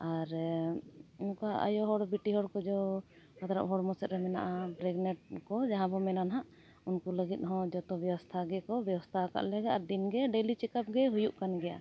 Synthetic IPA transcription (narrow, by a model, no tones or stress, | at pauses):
aɾ | unkaʔa̰jɔɦɔɽbiʈiɦɔɽkɔd͡ʒɔ | kat̪aɾa̰p̚ɦɔɽmɔsɛt̪ɾɛmɛna̰ʔabɾɛɡnɛʈ̚kɔd͡ʒaɦãbɔmɛnanɦaʔ | unkuləɡit̪̚ˀɦɔ̃d͡ʒɔt̪ɔbjɛwɔst̪ʰaɡɛkɔbjɛwɔst̪ʰaka̰ʔlɛɡaʔaɾd̪inɡɛɖelit͡ʃɛkap̚ɡɛɦujuʔkanɡɛja̰